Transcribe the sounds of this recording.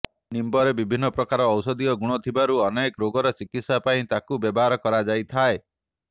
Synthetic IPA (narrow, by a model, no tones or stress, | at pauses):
nimbɔɾebibʱinːɔpɾɔkaɾɔːwsɔd̪iɔɡuɽ̃ɔt̪ʰibaɾuɔnekɔɾoɡɔɾɔt͡ʃikit̪sapaĩt̪akubjɔbɔɦaɾɔkɔɾad͡ʒajt̪ʰae